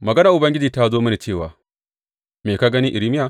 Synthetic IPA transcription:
mɐ˨ɡɐ˦nɐ˨ʔʊ˨bɐ˦ŋɡʲɪ˦d͡ʒiː˨ta˦zoː˦mɐ˦na˨t͡ʃeː˦˨waː˨ | meː˨ka˦ɡɐ˦ni˦ʔɪ˨ɾi˦mɪ˦ja˨

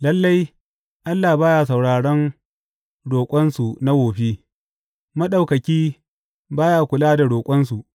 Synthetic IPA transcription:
lɐ˦lːa˦j | ʔa˦lːaː˨baː˦jaː˨sa˨wɽaː˨ɽɐ˦n | ɽoː˨kʷʼɐ˦nsu˨na˦ɡoː˨ɸiː˦ | mɐ˦ɗa˨wkɐ˨kʲiː˦ | baː˦jaː˨kʷʊ˨laː˦da˨ɽoː˨kʷʼɐ˦nsu˨ʔ

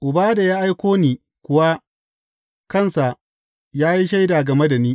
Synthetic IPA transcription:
ʔʊ˨baː˦da˨jaː˦ʔa˦jkʷoː˦niː˨ | kʷʊ˦wa˦ | kɐ˦˨nsa˨ | jaː˦ji˦ʃ̬a˦jda˨ɡɐ˨me˦da˨niː˦

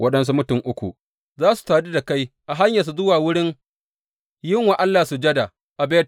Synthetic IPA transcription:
wʔɐ˦ɗɐ˦ns̬u˦mʊ˦tʊ˨ŋʔʊ˦kʷṵ˨ | zaː˦su̥˨taː˨di˦da˨ka˦jʔa˨ɦa˦ɲja˨s̬u˨zʊ˦waː˨wʊ˦ɽɪ˦ŋ | jɪ˦ŋwa˨ʔa˦lːaː˨su˨d͡ʒɐ˦da˨ | ʔa˨beː˦t

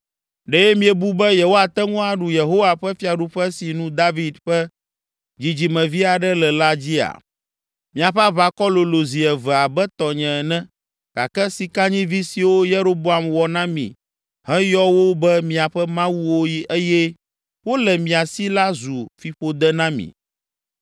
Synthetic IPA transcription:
ɖɛ˦jɛ˦mĩ˨ɛ˨bu˦bɛ˦je˨wo˦a˨t̪ɛ˦ŋũ˦a˨ɖu˨je˨ɦo˦wa˨ɸɛ˦fi˦a˨ɖu˦ɸɛ˦si˨nũ˦d̪a˦vi˦d̪ɸɛ˦ | d͡ʑi˨d͡ʑi˨mɛ̃˨vi˦a˨ɖɛ˦lɛ˨la˦d͡ʑi˦a̰˨ | mĩ˨a˨ɸɛ˦a˦βa˨kɔ˦lo˨lo˨zi˨ɛ˨vɛ˨a˨bɛ˦t̪ɔ˨ɲɛ̃˨nɛ̃˦ | ka̰˨kɛ˦si˨ka˦ɲĩ˦vi˦si˨wo˦je˦ɾo˦bo˦a˨mwɔ˨nã˦mḭ̃˨ | ɦɛ̃˦jɔ˦wo˦bɛ˦mĩ˨a˨ɸɛ˦mã˦wu˦wo˦ji˦ʔɛ˦jɛ˦ | wo˦lɛ˨mĩ˨a˨si˦la˦zu˨fi˨ɸo˦d̪ɛ˦nã˦mḭ̃˨

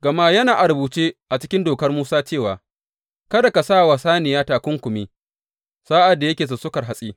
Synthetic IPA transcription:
ɡ̥ɐ˨maː˦jɐ˦naː˨ʔa˨ɾbuː˨t͡ʃeː˦ʔa˨t͡ʃɪ˦kʲɪ˦ndoː˨kɐ˦rmuː˦saː˦t͡ʃeː˦˨waː˨ | kɐ˦da˨ka˨sa˦˨wa˨saː˦nɪ˨jaː˦taː˨kʷʊ˦ŋkʷʊ˨mi˦ | saː˦ʔa˨dːa˨jɐ˦kʲeː˨s̬ʊ˨sʊ˦kɐ˨rɦa˨sʼiː˦

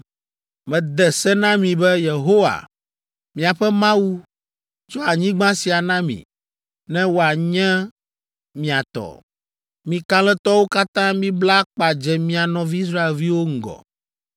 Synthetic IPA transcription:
mɛ̃˨d̪ɛ˨sɛ˦nã˦mĩ˨bɛ˦je˨ɦo˦wa̰˨ | mĩ˨a˨ɸɛ˦mã˦wu˦ | t͡ʃɔ˦a˨ɲĩ˦ɡ͡bã˦si˨a˨nã˦mḭ̃˨ | nɛ̃˦wo˦a˨ɲɛ̃˦ | mĩ˨a˨t̪ɔ̰˨ | mĩ˨kã˦lɛ˦t̪ɔ˦wo˦ka˦t̪ã˦mĩ˦bla˦k͡pa˨d͡ʒɛ˨mĩ˦a˨nɔ̃˨˦vi˦i˦s̬ɾa˦e˨lvi˦wo˦ŋ̩˦˨ɡɔ̰˨

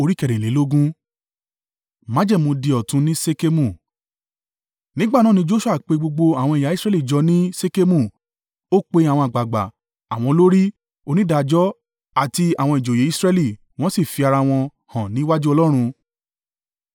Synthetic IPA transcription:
o˧ɾi˦kɛ˦˨ɾɛ̃˨le˨˦lo˦ɡũ˦ | mã˨˦d͡ʒɛ˦˨mũ˧di˧ɔ˨tũ˧˦nĩ˦se˦ke˦mũ˦˨ | nĩ˦ɡ͡ba˦˨nã˦˨nĩ˧˦d͡ʒo˦ʃu˦a˦˨k͡pe˧ɡ͡bo˧ɡ͡bo˧a˨w̃ɔ̃˧i˨ja˨˦i˦sɾɛ˦li˦˨d͡ʒɔ˧nĩ˦se˦ke˦mũ˦˨ | o˦k͡pe˧a˨w̃ɔ̃˧a˨ɡ͡ba˨ɡ͡ba̰˨ | a˨w̃ɔ̃˧lo˦ɾi˦ | o˧nĩ˦da˧d͡ʒɔ˦ | a˨ti˧a˨w̃ɔ̃˧i˨d͡ʒo˨je˨˦i˦sɾɛ˦li˦˨ | w̃ɔ̃˦si˦˨fi˧a˧ɾa˧w̃ɔ̃˧ | hã˨nĩ˨˦wa˦d͡ʒu˦ɔ˧lɔ˦ɾ̃ũ˧

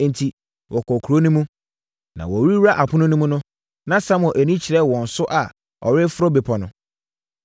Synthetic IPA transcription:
n̩˨tʰi˨ | wʔɔ˨kʰɔ˨kʰu˨ɾo˦nũ˦mũ˦ | nã̰˨wɔ˨wɾi˦a˦ʔa˨pʰʊ̃˦nʊ̃˦nʊ̃˦mũ˦nʊ̃˦ | nã˦sã˦mɔ̃˨ʔæ˨nĩ˦t͡ɕʰi˨ɾɛ˦˨wɔ̃˨n̩˨sʊ˦ʔa˨ | ɔ̰˨ɾɪ˦fʊ˦ɾɔ˦be˨pʰɔ˨nʊ̰̃˦

